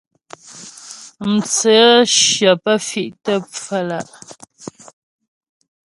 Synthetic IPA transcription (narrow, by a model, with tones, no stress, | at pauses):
m̩˨t͡sə˨˦ʃjə˨pə˦fi˨ʔtə˦p͡fə˦la˨ʔ